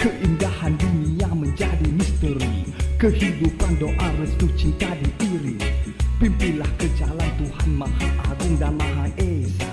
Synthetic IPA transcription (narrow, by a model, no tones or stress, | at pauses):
kəʔindahandinijaŋməɲd͡ʒadimist̪əɾikəhidupandoʔaɾəst̪ut͡ʃit̪adiʔiɾipimpilahkəd͡ʒalant̪uhanmahaʔaɡʊŋdanmaɦaʔe